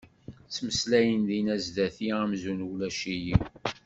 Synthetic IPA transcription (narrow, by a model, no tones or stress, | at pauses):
t͡sːməslæjənðinæzdæθiæmzunwlæʃiji